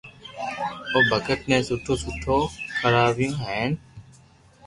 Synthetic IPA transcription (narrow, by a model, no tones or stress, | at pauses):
oːbʱəkət̪nẽːsʊʈʰoːsʊʈʰːoːkəɾaːʋjõːɦẽːn